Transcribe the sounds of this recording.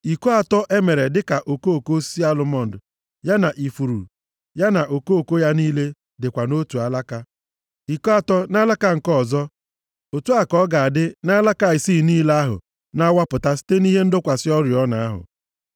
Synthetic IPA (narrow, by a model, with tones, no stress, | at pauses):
i˨ko˦a˨tɔ˦ʔe˦me˨ɾe˨dɪ˦ka˨ʔo˨ko˦˨ko˦si˦a˦lʊ˦mɔ˦n̩˨dʊ˨ | ja˦na˨ʔi˨fu˨ɾṵ˨ | ja˦na˨ʔo˨ko˦o˨ko˦ja˦niː˦le˦ | dɪ˨kʷa˨no˦tu˨a˨la˦ka˦ | i˨ko˦a˨tɔ˦na˦la˦ka˦ŋ̩˨kɔ˦˨zɔ˦ | o˨tu˦a˨kɔ˦ɡa˨a˨dɪ˦na˦la˦ka˦˨ɪ˨siː˦˨niː˦la˦ɦʊ̰˨ | na˦wa˦pʊ˨ta˦si̥˦te˦ni˦ɦe˦n̩˦dʊ˦kʷa˨sɪ˦ɔ˦ɾjɔ˦na˨a˦ɦʊ̰˨